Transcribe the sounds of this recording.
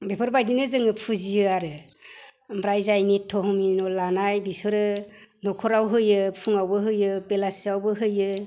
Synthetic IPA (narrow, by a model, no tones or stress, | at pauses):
bepʰɯɾbajdinɯzɯŋɯpʰuzijɯaɾɯ | mɾajzajnitʰːɔɦɔminɔlanajbisɔɾɯnɔkʰɔɾawɦɯjɯpʰuŋawbɯɦɯjɯbelasiawbɯɦɯjɯ